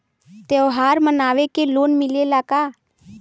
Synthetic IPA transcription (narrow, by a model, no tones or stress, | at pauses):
t̪eoɦaːɾmənaːʋekeloːnmɪlelaːkaː